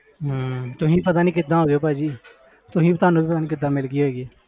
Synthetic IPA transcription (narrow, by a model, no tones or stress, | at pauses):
ɦt̪ʊɦĩːpət̪aːniːkɪd̪ãːɦoːɡoːpad͡ʒiː | t̪ʊɦĩːbt̪aːnũːbipət̪aːnĩːkɪd̪ːãːmɪlɡiːɦoːɡieː